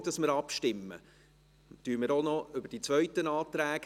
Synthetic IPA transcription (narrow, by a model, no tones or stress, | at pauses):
d̥ɑsməɾɑpʃtɪmːə̰ | tyːmɪɾonɔʏbɾd̥it͡sʋœɥtənɑːtɾæːɡ